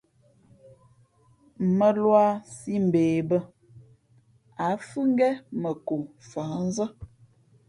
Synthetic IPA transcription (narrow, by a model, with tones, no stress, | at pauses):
mə˦lwa˦si˦m̩˨beː˨bə˦ | a˨˦fʉ˦ŋ˦ɡɛ˦mə˨ko˨fa˨˦n̩˦zə˦